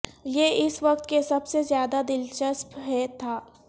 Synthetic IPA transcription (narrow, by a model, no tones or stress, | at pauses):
jeːʔɪsʋɐqt̪kesɐbsezjaːd̪ad̪ɪlt͡ʃəspɦɛt̪ʰaː